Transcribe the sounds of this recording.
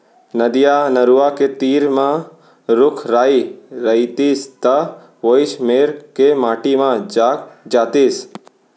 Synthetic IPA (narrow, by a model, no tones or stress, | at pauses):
nəd̪ijanəɾuʋaket̪iːɾmã | ɾʊkʰɾaːiɾəit̪iːst̪ə | ʋoɪʃmeːɾkemaːʈimãd͡ʒaːk̚d͡ʒaːt̪iːs